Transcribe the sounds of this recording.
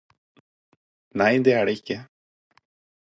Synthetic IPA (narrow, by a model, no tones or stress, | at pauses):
næɪd̪ɛːæːɖeɪkːə